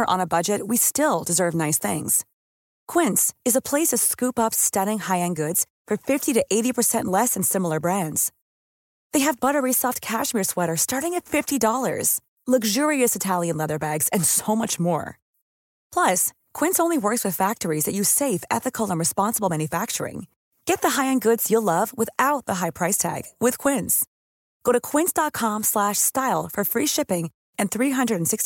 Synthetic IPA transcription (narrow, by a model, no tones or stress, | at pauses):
ə˞ʔə̰̃nəbʌd͡ʒɨt̚wistɪlˠdɨzɜ˞vnaɪsθɪ̰̃ŋz̥ | kʰw̥ɪ̃ntsɨzəpʰl̥eɪsʌv̥skʉpʌpstʌɾɪ̃ŋhaɪɨ̃nɡʊdz̥ | fə˞fɪftiɾɨʔeɪɾipʰə˞sɛ̃nʔlɛsɨ̃nsɪ̃ml̩ˠə˞bɹæ̃ndz̥ | ðeɪɨvbʌɾə˞isɔft̚kʰæʃmɪɹswɛɾə˞stɑɹɾɪ̃ŋɨtfɪftidɔlˠə̰˞z̥ | lʌɡʒʊɹiɨsɨtʰælˠjɨ̃nlɛðə˞bæɡz̥ɨ̃nsoʊmʌt͡ʃmɔ̰ɹ | pʰl̥ʌs | kʰw̥ɪ̃nsõʊ̃nliwɜ˞kswɨð̥fæk̚tə˞izðɨt͡ʃɨ̥seɪfɛ̰θɨkʰl̩ˠə̃nɹɨspɑ̃nsəbl̩ˠmæ̃njɨfæk̚t͡ʃə̰˞ɪ̰̃ŋ | ɡ̥ɛt̪̚ðəɦaɪɨ̃nɡʊdz̥jəlʌvwəθaʊt̪̚ðəɦaɪpʰɹ̥aɪstʰæ̰ɡ̥wɪð̥kʰw̥ɪ̃ns | ɡ̥oʊɾɨkʰw̥ɪ̃nsd̥ɑt̚kʰɑ̃mslæʃstaɪlˠfə˞fɹiʃɪpɪ̃ŋ | ɨ̃nθɹiɦʌ̃ndɹɨɾn̩sɪkst